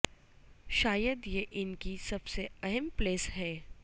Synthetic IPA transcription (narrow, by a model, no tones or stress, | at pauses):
ʃaːjəd̪jeʔɪnkisɐbseɐɦəmpleːsɦɛː